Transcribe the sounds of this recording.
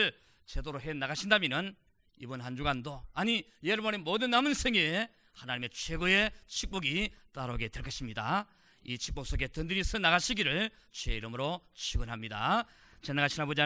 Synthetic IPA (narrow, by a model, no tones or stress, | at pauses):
ɭ | t͡ɕedoɾoɦe̞naɡaɕʰindamjenɯn | ḭbɯnɦand͡ʑuɡandoaɲi | jeɾbʌnemodɯnːamɯnsʰeŋee | hanaɲime̞t͡ɕʰwe̞ɡoet͡ɕʰik̚p͈oɡit͈aɾoɡe̞twe̞ɭk͈ʌɕʰimɲida | it͡ɕʰi̥k̚poks͈oɡe̞tɯndɯɾisʰɯnaɣaɕʰiɡiɾɯɭ | t͡ɕweiɾɯmɯɾot͡ɕʰiɡɯnɦamɲida | t͡ɕenːaɡaɕʰinɦabod͡ʑia